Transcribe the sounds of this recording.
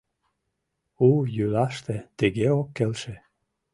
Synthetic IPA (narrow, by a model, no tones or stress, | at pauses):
ujylɑʃt̪ĕt̪ĕɣeokːelʃĕ